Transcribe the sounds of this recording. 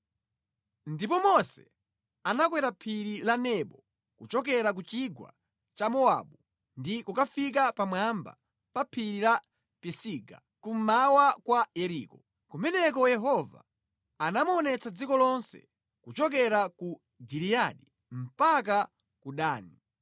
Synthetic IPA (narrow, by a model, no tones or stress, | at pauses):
ndipɔmɔsɛ̰ | anak̬wɛɾapʰiɾilanɛɓɔ | kut͡ʃɔk̬ɛɾak̬ut͡ʃiɡwa̰ | t͡ʃamɔa̰ɓu | ndikukafik̬apamwamba̰ | papʰiɾila | pɛsiɡa̰ | kum̩mawakwajɛɾiːkɔ | kumɛnɛk̬ɔjɛɦɔva̰ː | namuɔnɛt͡sad͡zikɔlɔnsɛ̰ | kut͡ʃɔk̬ɛɾaku | ɡiɾijaɗi | m̩pak̬a | kuɗaːni